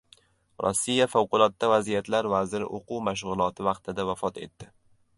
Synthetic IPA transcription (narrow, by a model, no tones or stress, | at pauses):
ɾʔɒ̰sːijafawqʊlˠɒt̪ːavazijat̪laɾvazɪɾɪ̰ʔoqʰuwmaʃ̬ʁʊlˠɒt̪ʰɪvɑqt̪ʰɪd̪avafɒt̪e̞̰t̪ːɪ